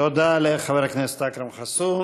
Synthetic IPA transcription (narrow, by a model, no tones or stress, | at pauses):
od̪aleχaveɾhaknɛst̪akɾimχasu